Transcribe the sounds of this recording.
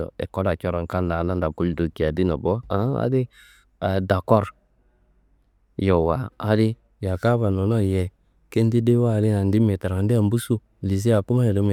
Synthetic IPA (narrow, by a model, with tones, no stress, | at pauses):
ɔ̰˨ɛ̰˨kɔ˦ɾa˨t͡ʃɔ˦ɾa˨ŋ˨ka˦n˦da˨na˦nda˨ku˦ldo˨ki˨a˨di˦nɔ˨bɔ˦a˨˦a̰˦di˦ | a˨da˨kɔ˦ɾ | jɔ˨waː˨˦di˦ | ja˨ka˦βa˨nɔ˨˦nɔ˦˨jɛ˨ | ke˦n˦di˦de˦wa˦˨li˦na˨ndi˦mɛ˨ta˨a˨ndi˦a˨m˦bu˦su˦ | li˨z̬i˦a˨ku˦ma˦ɛ˨do˨˦mɛ˨